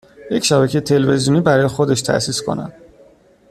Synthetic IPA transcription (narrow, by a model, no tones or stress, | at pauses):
je̞cʃæbæcʰejet̪ʰe̞lve̞zijuniːbæɾɒːjexod̪eʃt̪ʰæ̰ʔsiːskʰo̞̰næ̰d̪̥